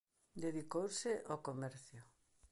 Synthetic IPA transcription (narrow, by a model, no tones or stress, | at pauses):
d̪eðikowsɪʔokomɛɾθjʊ